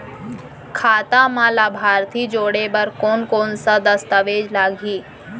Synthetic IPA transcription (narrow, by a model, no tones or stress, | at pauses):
kʰaːt̪amãːlabʱaːɾt̪ʰiːd͡ʒoːɽebəɾkoːnkoːnsad̪ɐst̪aʋeːd͡ʒlaːɡʱiː